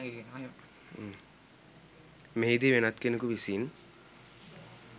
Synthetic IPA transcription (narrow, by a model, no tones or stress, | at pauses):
meɦid̪iʋenat̪kenekuʋisin